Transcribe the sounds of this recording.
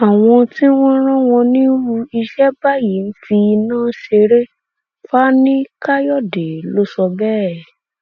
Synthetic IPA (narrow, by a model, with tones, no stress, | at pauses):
a˨w̃ɔ̃˧tĩ˦w̃ɔ̃˦ɾ̃ɔ̃˦w̃ɔ̃˧nĩ˦ɾu˧i˧ʃɛ˦ba˦ji˨˦n̩˦fi˧nãː˦ʃe˧ɾe˦ | fa˦nĩ˦ka˦jɔ˦˨de˨˦lo˦sɔ˧bɛ˦˨